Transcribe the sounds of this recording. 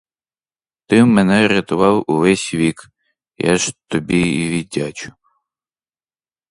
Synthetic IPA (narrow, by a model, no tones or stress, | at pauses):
t̪ɪmɛnɛɾʲɐt̪ʊʋɑwuʋɛsʲʋʲik | ja̰ʒt̪ɔbʲiiʋʲidʲat͡ʃʊ̥